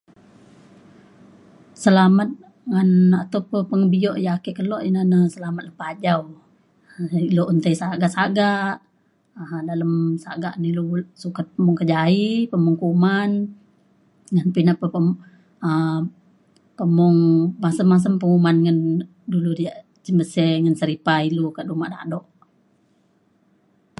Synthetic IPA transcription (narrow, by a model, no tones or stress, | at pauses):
səlamat̪̚ | ŋanat̪awpəpəŋəbiɔʔjakiʔkəlɔʔinanəsəlamat̪̚lahpad͡ʒaw | iloʔunt̪ajsaɡaʔsaɡaʔ | daləmsaɡa̰ʔnilusukat̪̚pəmɔŋkəd͡ʒaipəmuŋkuman | ŋənpinapəə | ə | pəmɔŋmasəmːas̬əmpəŋumanŋən | duludiaʔ | t͡ʃəmbəsɛŋənsəɾipailukaʔdumaʔda̰dɔʔ